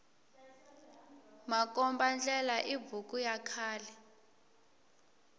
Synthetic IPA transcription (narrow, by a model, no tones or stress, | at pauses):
mak̬ʼɔmband͡ɮɛlaʔibukujakʰaːlɛ